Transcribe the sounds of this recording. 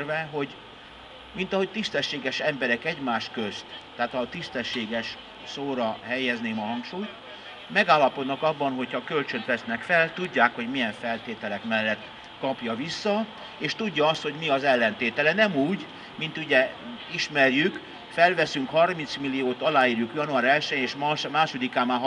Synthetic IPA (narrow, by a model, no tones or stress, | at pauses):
rvɛɦo̞ɟ | min̪t̪ɒɦo̞c̚t̪ist̪ɛʃːeːɡɛʃɛmbɛɾɛkɛɟmaːʃkø̞st̪ːaːt̪ɒt̪ist̪ɛʃːeːɡɛʃ | soːɾɒɦɛjːɛzneːmɒɦɒŋkʃuːjt̪ | mɛɡaːlːɒpo̞d̪nɒkɒbːɒnɦo̞cʰhɒkø̞lt͡ʃø̞nt̪ʋɛsnɛkfɛlt̪uɟːaːkho̞ɟmijɛɱfɛlt̪eːt̪ɛlɛkmɛlːɛt̪ː | kɒpjɒvisːɒ | eːʃt̪uɟːɒɒst̪ho̞ɟmiɒzɛlːɛnt̪eːt̪ɛlɛnɛmuːɟ | mint̪uɟɛ | iʃmɛrjyk | fɛlvɛsyŋkhɒrmint̪smilːijoːt̪ɒlaːjiːrjukjɒnuaːɾɛlʃɛneːʃmmaːʃo̞d̪ikaːmaːɦ